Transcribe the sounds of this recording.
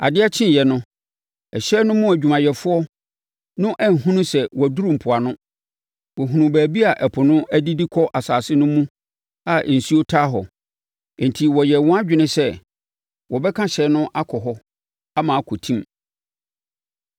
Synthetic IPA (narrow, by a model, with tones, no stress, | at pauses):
a̰˨dɪ˦a˦t͡ɕʰɪ̃˦jɛ˨nʊ̃˦ | ɛ˨ɕɛ˦nʊ̃˦mũ˦æ˨d͡ʑᶣu˨mã˨jɛ˨fʊ˦ɔ˦ | nʊ̃˦ʔɛ˦n̩˨ɦũ˦nũ˦sɛ˨wɔ˨æ˨du˦ɾũ˨m̩˨pʰʊ˨a˨nʊ̃˦ | wɔ˨ɦũ˨nũ˨bæː˨bi˦a˨ʔɛ˨pʰʊ˨nʊ̃˦æ˦di˦di˦kʰɔ˦ʔa˨saː˨sɪ˦nʊ̃˦mũ˦ | a˨n̩˨si˦o˦tʰaː˦ɦɔ̰̃˨ | n˨tʰi˨wɔ˨jɛ˨wɔ̃˦a˦d͡ʑᶣɪ˨nɪ̃˦sɛ˦ | wɔ˨bɛ˦kʰã˦ɕɛ˨˦nʊ̃˦ʔa˦kʰɔ˨ɦɔ˦ | a˦mãː˨˦kʰɔ˨tʰĩ˦m